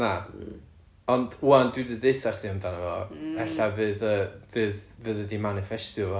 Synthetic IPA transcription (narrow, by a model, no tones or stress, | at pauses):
na | ɔnd̥uandwɪdədeɨθarθʰiɔmdaɾəɔ̰ɛɬavɨːðəvɨːðvɨðədimanɪfɛstʊvɔ